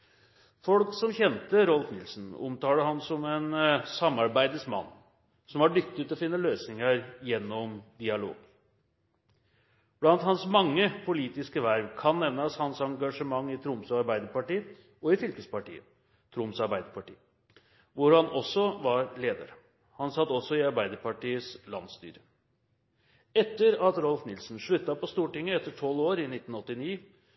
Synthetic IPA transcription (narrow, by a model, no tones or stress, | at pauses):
fɔlksɔmçɛnt̪əɾɔlfnɪlsn̩ʊ̰mt̪ɑːləɦɑnsɔmɛnsɑmːɑɾbæɪd̪əsmɑ̰nː | sɔmɑɖʏk̚t̪ɪt̪ɔfɪnːəløːsnɪŋəɾjɛnːɔmd̪ɪɑlo̰ːɡ | b̥lɑnt̪hɑnsmɑŋːəpʰʊliːt̪ɪskəʋæɾʋkʰɑnːɛʋnəshɑnsɑŋɡɑʂəmɑŋːɪt̪ʰɾʊmsɑɾbæɪd̪əpɑʈiː | ɔɪfʏlkəspɑʈḭːə | t̪ʰɾʊmsɑɾbæɪd̪əɾpɑʈiː | ʋʊɾhɑnʔɔsːɔʋɑɾleːd̪ə̰ɾ | hɑnsɑt̪ːɔsɔɪɑɾbæɪd̪əɾpɑʈiːəslɑ̰nst̪y̰ːɾə | ɛt̪ːəɾɑt̪ɾɔlfnɪlsn̩ʂɭʉt̪ːɑpɔst̪uːʈɪŋːəɛt̪ːəʈʰɔlːoːɾɪnɪt̪ːn̩ɔt̪ːɪniː